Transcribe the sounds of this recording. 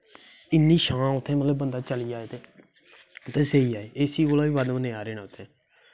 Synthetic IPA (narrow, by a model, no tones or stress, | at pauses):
ɪnːiːʃãːʊt̪ʰːẽːməlebənd̪aːt͡ʃəliːaːeːt̪eː | t̪eːseːiːaːeːeːsiːoːlaːʋiːʋad̪mənẽːaːɾeːnãːʊt̪ʰːẽː